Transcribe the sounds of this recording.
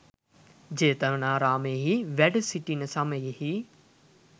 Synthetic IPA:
d͡ʑeːt̪ənaːɾaːmẽːɦiʋɛɖsiʈinəsãmejhiː

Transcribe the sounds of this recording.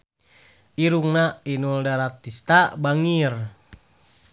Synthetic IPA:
ʔiɾuŋnainuldaɾat̪ːist̪abaŋir

